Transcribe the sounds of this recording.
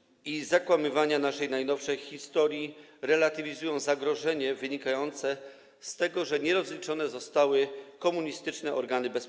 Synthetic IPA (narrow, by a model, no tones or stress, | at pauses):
izakwamɘvaɲanaʂɛjnajnɔfʂɛjxʲist̪ɔɾʲjiɾɛlat̪ɘvʲizujɔ̃w̃zaɡɾɔʐɛɲɛvɘɲikajɔnt̪sɛ | st̪ɛɡɔʐɛɲɛɾɔzlʲit͡ʂɔnɛzɔst̪awɘkɔmuɲist̪ɘt͡ʂnɛʔɔɾɡanɘbɛs